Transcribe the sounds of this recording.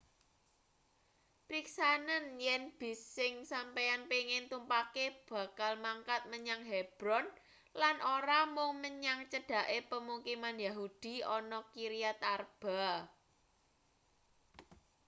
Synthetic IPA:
pɾiksanənjɛnb̥isɪŋsampejanpeŋɪnt̪umpakeb̥ä̤kalmaŋkat̪̚məɲaŋɦeb̥ɾɔn | lanʔoɾamʊŋməɲaŋt͡ʃəɖ̥ä̤ʔepəmuŋkimanjaɦud̪̥i̤ɔnɔkiɾiat̪arb̥a̤

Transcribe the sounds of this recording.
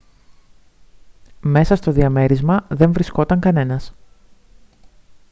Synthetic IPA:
me̞sɐst̪o̞ðiɐme̞ɾizmɐðe̞ɱvɾisko̞t̪ɐŋkɐne̞nɐs

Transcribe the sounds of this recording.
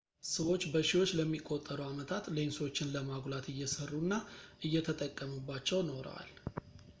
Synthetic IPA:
səwo̞t͡ʃːbəʃiwo̞t͡ʃːləmːikʼːot̪ʼːəɾəamət̪ʰat̪le̞nso̞t͡ʃːɪnləmaɡlat̪ʰɨjːɛsərːunːaʔɨjːɛt̪ʰət̪ʼəkʼːəmubːat͡ʃːɛwno̞ɾə̰wa̰l

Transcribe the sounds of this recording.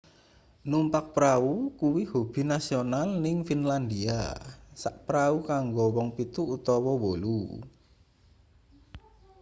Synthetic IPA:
numpak̚pɾaukuwihob̥i̤nasionalnɪŋfinland̪ia̰saʔpɾaukaŋɡowɔŋpit̪uʔut̪ɔwɔwolṵ

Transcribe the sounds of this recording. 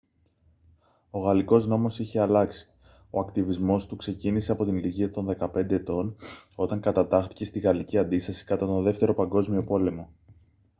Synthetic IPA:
o̞ɣɐliko̞zno̞mo̞siçe̞ɐlɐksi̥ | o̞ɐkt̪ivizmo̞st̪ukse̞cinise̞ɐpo̞t̪iniliʝiɐt̪o̞nðe̞kɐpe̞nd̪e̞ːt̪o̞no̞t̪ɐŋkɐt̪ɐt̪ɐxt̪i̥ce̞st̪iɣɐliciɐnd̪ist̪ɐsi̥kɐt̪ɐt̪o̞nðe̞ft̪e̞ɾo̞pɐŋɡo̞zmio̞po̞le̞mo̞

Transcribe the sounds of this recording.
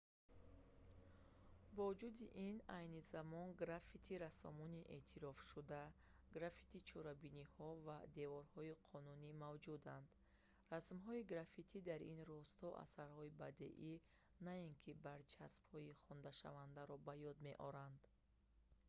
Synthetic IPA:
bɔud͡ʒud̪iʔinajnizamɔnɡɾafit̪ʰiɾasɔmɔniʔe̞̰t̪ʰiɾɔfʃud̪aɡɾafi̥t̪ʰit͡ʃʰɔɾabinihɔvad̪e̞vɔɾhɔiqʰɔnunimavd͡ʒud̪and̪ | rasmɦɔiɡɾafit̪ʰid̪aɾinrɔst̪ʰɔʔa̰saɾhɔiba̰d̪ḛʔi | nainkʰibaɾt͡ʃʰasbhɔiχɔnd̪aʃa̰vand̪aɾɔbajɔd̪me̞ʔɔɾand̪

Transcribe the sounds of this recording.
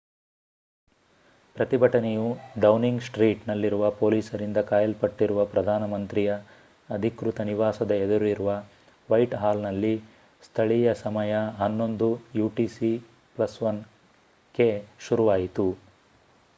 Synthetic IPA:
pɾɐt̪ibʱɐʈɐnejuɖɐwniŋɡsʈɾiːʈnɐlːiɾuʋɐpoːliːsɐɾind̪ɐkaːjɐlpɐʈːiɾuʋɐpɾɐd̪ʱaːnɐmɐnt̪ɾijɐː | d̪ʱikɾut̪ɐniʋaːsɐd̪ɐed̪ɐɾuiɾuʋɐ | ʋɐjʈɦaːlnɐlːi | st̪ʰɐɭijɐsɐmɐjɐɦɐnːo̞nd̪ujuːʈiːsi | plɐsʋɐn | ke̞ʃuɾuʋaːjit̪u

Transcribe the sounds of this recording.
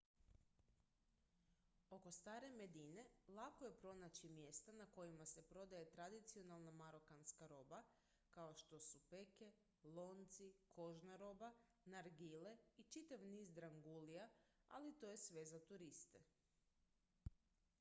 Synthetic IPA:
o̞ko̞st̪aːɾe̞me̞d̪ine̞lˠakoje̞pɾo̞nat͡ɕimje̞st̪anako̞jimase̞pɾo̞d̪aje̞t̪ɾad̪it̪sio̞nalˠnamaɾo̞kanskaɾo̞ːba | kaoʃt̪o̞supe̞ke̞ | lˠo̞nt̪sikʰo̞ʒnaɾo̞ba | naɾɡile̞it͡ʃit̪aʋniːzd̪ɾaŋɡulijaa̰lit̪ojesʋe̞zat̪uɾist̪e

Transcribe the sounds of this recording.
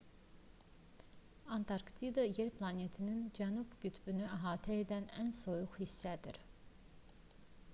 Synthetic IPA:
ɑnt̪ʰɑɾksid̪ɑjeɾplˠɑnet̪ʰinind͡ʒænubɟyt̪ʰbynyæɦɑːt̪ʰæed̪ænænso̞juχhisːæd̪ḭɾ

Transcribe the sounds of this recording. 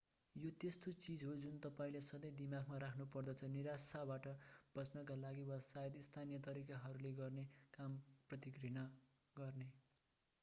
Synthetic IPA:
jot̪est̪ot͡sid͡zɦod͡zunt̪ʌpaĩlesʌd̪ʌjd̪imaɡmaɾakʰnupʌrd̪ʌt͡sʰʌniɾasabaʈʌb̥ʌt͡snakalaɡiwʌsajed̪ist̪ʰanijʌt̪̬ʌɾikaɦʌɾuleɡʌrnekamprʌt̪ikrina | ɡʌrne

